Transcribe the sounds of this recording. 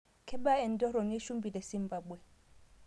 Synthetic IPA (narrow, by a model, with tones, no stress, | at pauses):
kʰɛ˦ba˦ɛ˨n˨dɔ˦ɾɔ˨nɛ˦ʃu˦mbi˨lɛ˨si˦mba˦bwɛ˨